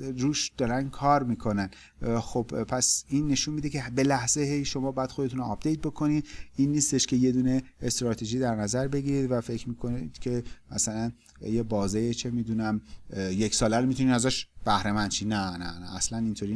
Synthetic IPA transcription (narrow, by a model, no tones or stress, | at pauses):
ruːʃd̪̥ɒːɾænkʰɒːɾmiːkʰo̞næn | xobpʰæsinːe̞ʃuːnmiːd̪ecʰe̞be̞læhz̥e̞he̞jʃo̞mɒːbɒjæd̪xod̪e̞t̪ʰuːnoɒp̚ʰd̪̥e̞jt̪̚bo̞kʰo̞nid̪inːiːst̪e̞ʃkʲʰe̞je̞d̪uːne̞est̪ɾɒːt̪ʰe̞ʒiːd̪æɾnæzæɾbe̞ɡiɾid̪væfe̞cʰmiːkʰonid̪̥cʲʰe̞mæsælæn | jebɒːzejet͡ʃʰe̞miːd̪uːnæmjecsɒːlæɾomit̪ʰuniːnæzæʃb̥æhɾe̞mænt͡ʃʰiːnænænæːslænint̪ʰoɾiː